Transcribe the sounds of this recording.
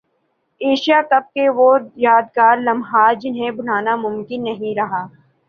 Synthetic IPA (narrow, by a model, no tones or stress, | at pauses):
eːʃijakɐb̚keʋojaːd̪ɡaːɾlɐmɦaːd͡ʒɪnɦẽbʊnaːnamʊmkɪnːɐɦĩɾɐɦaː